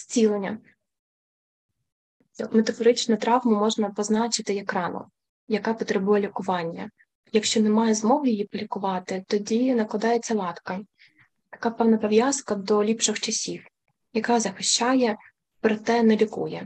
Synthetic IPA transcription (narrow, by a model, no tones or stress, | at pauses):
sʲt͡sʲilˠenʲːɐ | met̪ɐfɔɾɪt͡ʃnʊt̪ɾɑʋmʊmɔʒnɐpɔznɑt͡ʃɪt̪ɪɛkɾɑnʊ̰ | jɐkɑpɔt̪ɾebujɛlʲikʊʋɑnʲːɐ | jɐkʃt͡ʃɔnɛmɑjɛzmɔɦjijipɔlʲikʊʋɑt̪ɪt̪ɔdʲinɐklˠɐd̪ɑjet͡sʲːɐlˠɑt̪kɐ | t̪ɐ̥kɑpɛwnɐpɔʋjɑzkɐd̪ɔlʲipʃɪxt͡ʃɐsʲiw | jɐkɑzɐxɪʃt͡ʃɑjɛ | pɾɔt̪ɛnɛlʲikṵjɛ